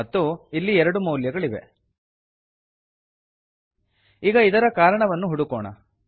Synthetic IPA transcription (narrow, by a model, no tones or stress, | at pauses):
ɐt̪ːuilːiɛɾɐɽumɐwljɐɡɐɭiʋḛ | iːɡɐid̪ɐɾɐkaːɾɐɳɐʋɐnːuɦuɽukɔːɳɐ̰